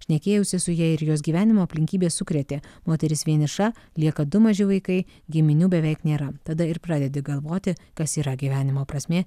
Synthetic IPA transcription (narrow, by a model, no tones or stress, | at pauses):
ʃʲnʲɛkʲeːjʊsʲɪsʊjiɛɪɾjoːs̬ɡʲiːʋʲæːnʲɪmoːɐpʲlʲɪŋʲkʲiːbʲeːssʊkɾʲɛt̪ʲeːmoːt̪ʲɛɾʲɪsʋʲiɛnʲɪʃɑː | lʲiɛkɐd̪ʊmɐʒʲɪʋɐɪkɐɪ | ɡʲɪmʲɪnʲuːbʲɛʋʲɛɪknʲeːɾɐt̪ɐd̪ɐɪɾpɾɑːd̪ʲɛd̪ʲɪɡɐlˠʋoːt̪ʲɪkɐsiːɾɐɡʲiːʋʲæːnʲɪmoːpɾɐsʲmʲeː